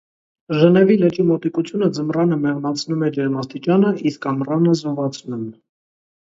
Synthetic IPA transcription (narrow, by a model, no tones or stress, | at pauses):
ʒənɛvilɛt͡ʃimɔt̪ikut͡sʰjunəd͡zəmrɑnəmɛʁnɑt͡sʰnumɛd͡ʒɛɾmɑst̪it͡ʃɑnəiskɑmrɑnəzɔvɑt͡sʰnum